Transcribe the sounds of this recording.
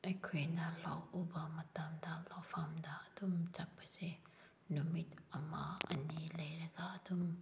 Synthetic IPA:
ɐjkʰojnalawubamɐtamdalawpʰamdaːd̥umt͡ʃak̚base | numit̪ɐma̰ɐ̰nilɐjɾɐɡaɐdum

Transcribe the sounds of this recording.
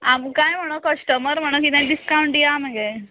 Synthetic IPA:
amukãjm̤əɽ̃okəsʈəməɾm̤əɽ̃okit̪ãd̪iskawɳʈijam̤aɡɛ

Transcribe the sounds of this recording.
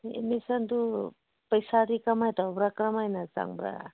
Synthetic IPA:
ḛmisand̪u | pəjsaɾikamajt̪abɾakɾamajnaza̰ŋbɾa̰

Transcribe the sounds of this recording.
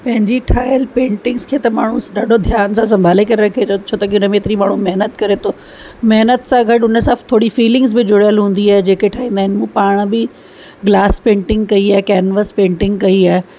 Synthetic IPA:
pɐ̃ɦɪ̃ɲd͡ʑiʈʰaːjəlpẽːɳʈɪ̃ŋɡskʰeːt̪ɐmaːɳ̤ũɗaːɖʱod̪ʱjaːnsãs̬ɐ̃mbʱaːlekɐɾeɾɐkʰet̪ot͡ɕʰoːt̪ɐkiʊnəmẽːt̪ɪɾimaːɳ̤ũmɐɦnət̪kɐɾet̪ʰoː | mɐɦnət̪sãɡʱɐʈʊnəsaːt̪ʰoːɽifiːlɪ̃ŋɡzbɪd͡ʑʊɽjəlɦũːn̆d̪iaːɦed͡ʑeːkeʈʰaːɦĩːnd̪aːɦɪnɪmũːpaːɽ̃bɪ | ɡlaːspẽːɳʈɪ̃ŋɡkɐiaːɦekɛːnʋəspẽːɳʈɪ̃ŋɡkɐiaːɦe

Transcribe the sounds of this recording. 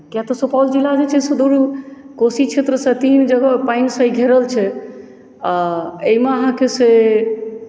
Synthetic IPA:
kjat̪ɔsopawld͡ʒilːad͡ʒet͡ʃʰɛsed̪uɾkosit͡ʃʰet̪ɾəsə̃t̪ind͡ʒəɡəpajnsə̃iɡʱeɾəlt͡ʃʰɛ | aeimeəɦãkese

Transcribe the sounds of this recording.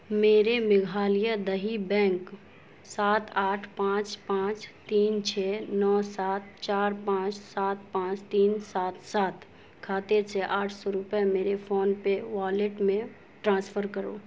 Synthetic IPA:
meːɾemɪɡʱaːlɪjad̪əɦibɛ̃ːŋk | saːt̪ʰaːʈʰpãːt͡ʃpãːt͡ʃt̪iːnt͡ʃʰɛːnɔːsaːt̪t͡ʃaːɾpãːt͡ʃsaːt̪̚pãːt͡ʃt̪iːnsaːt̪saːt̪ | kʰaːt̪eseʔaːʈʰsɔɾʊpemeːɾefʰoːnpeʋaːleʈmẽ | ʈɾãːspʰəɾkəɾo̰ː

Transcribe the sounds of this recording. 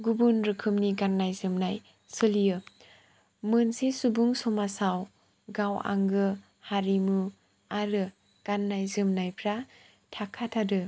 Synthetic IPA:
ɡubunɾɯkʰɯmniɡanːajzɯmnaj | sɯlijɯ | mɯnsesubuŋsɔmasaw | ɡawa̰ŋɡɯ | haɾimɯ | aɾɯ | ɡ̥anːajzɯmnajpʰɾa | tʰakʰːatʰadɯ

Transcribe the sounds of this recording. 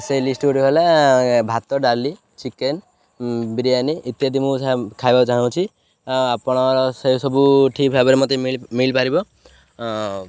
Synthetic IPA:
sejlisʈoɾɦelebʱat̪ɔɖaɾli | t͡ʃiken | biɾijaniʔːt̪jad̪imũsakʰajbat͡ʃaɦɽ̃ɔ̃w̃t͡ʃʰi | apɔɽ̃ɔɾɔsesɔbuʈʰipʰabɾimɔt̪emilmilpaɾibɔ

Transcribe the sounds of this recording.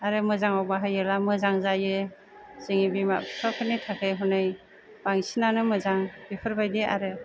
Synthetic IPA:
aɾɯmɯzaŋawbaɦajɯlamɯzaŋzajɯ | z̥ɯŋibima̰pʰtʰɔkʰɯnitʰakʰɯjɦɔnɯj | b̥aŋsinanɯmɯzaŋbipʰɯɾbajdia̰ɾɯ

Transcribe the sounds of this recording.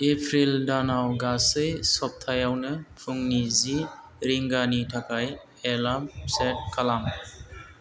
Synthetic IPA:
epʰɾildanawɡasɯjsɔp̚tʰajawnɯpʰuŋnizi | ɾiŋɡanitʰakʰaj | elamset̚kʰalam

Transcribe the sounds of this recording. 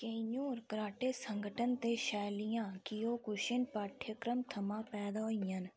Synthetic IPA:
keːɲuːɾkɾaːʈeːsəŋɡʱəʈənt̪eːʃɛːlɪjãːkɪjoːkʊʃɪnpaːʈʰjəkɾəmt̪ʰəmãːpɛːd̪aːɦoɪjən

